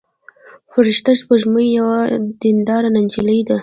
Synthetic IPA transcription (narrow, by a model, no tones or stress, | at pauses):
fəɾɪʃt̪aʃpəʒməjjawad̪̥ɪnd̪ɑɾanand͡ʒiləjd̪a